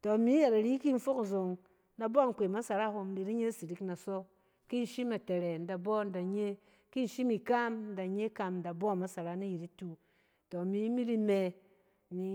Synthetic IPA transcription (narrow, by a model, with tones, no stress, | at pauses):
to˨mi˨˦ja˨ɾa˨ɾi˦ki˦n̩˦fo˦kzo˨ŋ | na˧bɔ˦˨ŋ˨kʷe˨ma˦sa˨ɾa˦ɦo˧m˦di˧ɾi˦ɲe˦si˨ɾi˦kna˨sɔ˦ | ki˦n̩˨ʃi˦ma˨te˨ɾe˨n̩˨˦da˨bɔ˦˨n̩˦da˨ɲe˦ | ki˦n˦ʃi˦mi˨ka˦mn̩˦da˨ɲe˦ka˧mn̩˨da˨bɔ˦˨ma˨sa˨ɾa˦ni˦ji˨ɾi˦tu˨ | to˨mi˦mi˦ɾi˦me˧ | ni˨